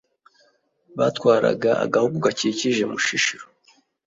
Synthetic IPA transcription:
βatkwaːɾa̰ɡaa̰ɡahuɡuɡaciciʒe̞muʃiʃiɾo

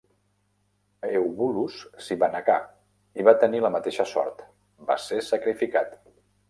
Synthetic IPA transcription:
ewβulussiβanəka̰ | iβat̪əniləmət̪eʃəsɔ̰ɾt̪ | ba̰sesəkɾifikat̪

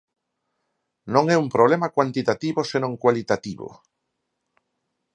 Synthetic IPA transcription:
nõŋɛumpɾoβlemakwant̪it̪at̪iβosenõŋkwalit̪at̪iβo̰

